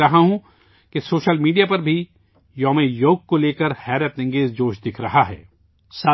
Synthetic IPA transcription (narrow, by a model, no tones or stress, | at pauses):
ɐɦaɦũ | kesoːʃəlmiːɖijapɐɾbʱi | jɔːmejoːɡ̚koleːkəɾhɛːɾət̪nɪ̃ŋɡeːzd͡ʒoːʃd̪ɪkʰɾɐɦaɦɛ̰ː | saː